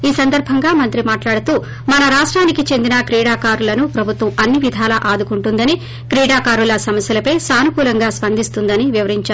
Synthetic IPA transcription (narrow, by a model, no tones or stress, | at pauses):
iːsɐnd̪ɐɾbʱɐŋɡaːmɐnt̪ɾimaːʈlaːɽut̪uː | mɐnɐɾaːʂʈɾaːnikit͡ʃe̞nd̪inɐkɾiːɽaːkaːɾulɐnupɾɐbʱut̪ʋɐmɐnːiʋid̪ʱaːlɐʔaːd̪ukuɳʈund̪ɐni | kɾiːɽaːkaːɾulɐsɐmɐsjɐlɐpɐjsaːnukuːlɐŋɡaːspɐnd̪ist̪und̪ɐniʋiʋɐɾiɲt͡ʃaː